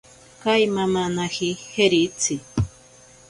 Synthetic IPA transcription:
kajmamanahiheɾit͡sʰi

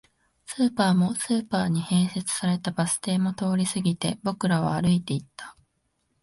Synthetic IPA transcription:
sɨːpaːmo̞sɨːpaːɲ̟ihẽ̞ɰ̃se̞t͡sɨ̥saɾe̞t̪abasɨ̥t̪e̞ːmo̞t̪o̞ːɾʲisɨɡʲit̪e̞bo̞kɯ̟ɾaβa̰ːɾɯ̟it̪e̞it̪ːḁ

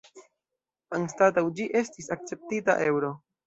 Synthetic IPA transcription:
aŋstatawd͡ʒiʔe̞stisak̚t͡se̞p̚tita̰ʔe̞wɾo̞

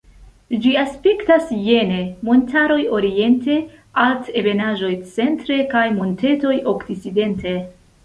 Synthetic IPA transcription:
d͡ʒiaspektasje̞ne̞mo̞ntʰaɾo̞jo̞ɾie̞nte̞ | altebe̞naʒo̞jt͡se̞ntɾe̞kajmo̞nte̞to̞jo̞kdit͡side̞nte̞

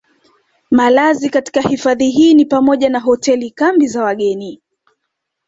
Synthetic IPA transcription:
malazikati̥kahifaðiɦiːnipamɔʄanaɦɔtɛlikambizawaɠɛni

